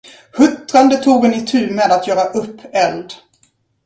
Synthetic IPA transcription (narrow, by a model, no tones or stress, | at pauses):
hɵt̪ːɾand̪ət̪ʰuːɡənɪt̪ʰʉ̟ːmeːd̪at̪jœːɾaʔɵpːɛld̪